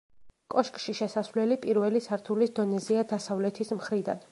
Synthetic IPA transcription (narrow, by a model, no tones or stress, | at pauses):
kʼɔʃkʼʃiʃɛsasvlɛlipʼiɾvɛlisaɾt̪ʰulisd̪ɔnɛziad̪asavlɛt̪ʰismχɾid̪a̰n